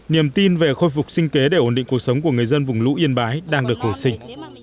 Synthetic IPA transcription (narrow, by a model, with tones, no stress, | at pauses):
ni˧˩əmt̪i˧nve˨˩xo˧jfʊ˨˩k͡p̚sï˧ŋ̟ke˨˦ɗe˧˩ʔo˧˩nɗḭ˧˨ŋku˨˩əsə˨˦wŋ͡mku˧˩əŋɨ˨˩əjzə˧nvʊ˨˩ŋ͡mlṵ˧˥ʔi˧ənɓaː˨˦jɗaː˧ŋɗɨ˨˩ək̚ho˧˩jsï˧ŋ̟